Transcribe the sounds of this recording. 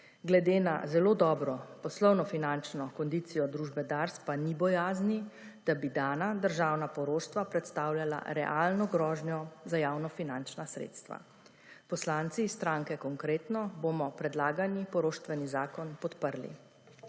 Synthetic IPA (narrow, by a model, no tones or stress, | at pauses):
ɡlɛd̪ena̰zɛloːd̪ɔːbɾɔpɔslɔwnɔfinant͡ʃnɔkɔnd̪iːt̪sijɔd̪ɾuːʒbɛd̪aɾspanibɔjaːznid̪̥abid̪aːnad̪əɾʒaːwnapɔɾoːʃt̪ʋapɾɛt̪st̪aːwljala̰ɾɛ̰ʔalnɔɡɾɔːʒnjɔzajaːwnɔfinant͡ʃnasɾḛːt̪st̪ʋa̰ | pɔslaːnt̪sist̪ɾaŋkɛkɔŋkɾeːt̪nɔbomɔpɾɛd̪laːɡanipɔɾoːʃt̪ʋɛnizaːkɔnpɔt̪pəɾlḭ